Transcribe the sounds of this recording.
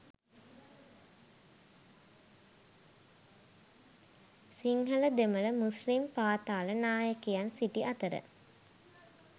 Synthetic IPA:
siŋɦələd̪emələmuslimpaːt̪aːlənaːjəkejansiʈiʔat̪əɾə̰

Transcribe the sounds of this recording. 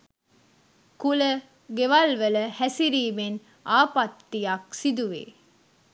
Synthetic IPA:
kulə | ɡeʋalʋələhæsiɾiːmen | aːpat̪ːijɐksid̪uʋḛː

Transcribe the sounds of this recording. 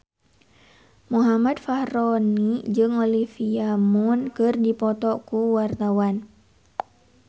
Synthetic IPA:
muɦamadfahɾɔnid͡ʒɨŋolifiamunkɨrdipɔt̪ɔkuwart̪awan

